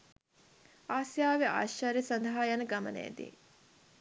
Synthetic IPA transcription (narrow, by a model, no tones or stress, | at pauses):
aːsjaːʋea̰ːʃaɾesɐnd̪ɐɦaːjanəɡɐmə̰nḛːd̪ḭː